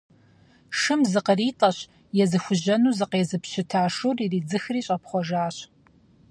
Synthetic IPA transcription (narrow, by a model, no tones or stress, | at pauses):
ʂɨmzɨqəriːtʼɐɕ | jɛzɨxʷʊʑɐnuːzɨqeːzɨpɕɪtʰaːʂuːririːd͡zɨxriːɕʼɐpχʷɔʒaːɕ